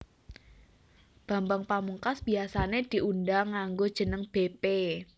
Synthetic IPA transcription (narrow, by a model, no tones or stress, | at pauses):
b̥a̤mbaŋpamuŋkasb̥i̤asaned̪̥i̤ʔundaŋːaŋɡod̥ʒ̥ə̤nəŋb̥epe